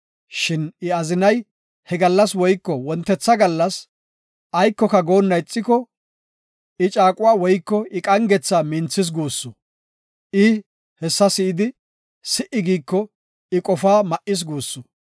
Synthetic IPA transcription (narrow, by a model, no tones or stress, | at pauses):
ʃɪnɪɐzɪnɐj | hɛɡɐlːɐswɔjkːɔwɔnt̪ːɛt͡sːɐɡɐlːɐs | ɐjkːɔkɐɡo̞ːnːɐjt͡sʼːɪkɔ | ʔɪt͡ʃʼaːkʼʊwaːwɔjkːɔɪkʼɐŋɡɛt͡sːaːmɪnt͡sːɪs̬ɡuːsːʊ | ʔɪ | hɛsːɐsɪʔɪd̪ɪ | sɪʔɪɡiːkːɔ | ɪkʼɔfaːmɐʔɪs̬ɡuːsːʊ